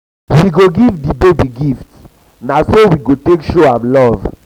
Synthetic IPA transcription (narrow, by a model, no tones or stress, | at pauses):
wiɡoɡivdibebiɡifts | nasowiɡotekʃoãmlɔv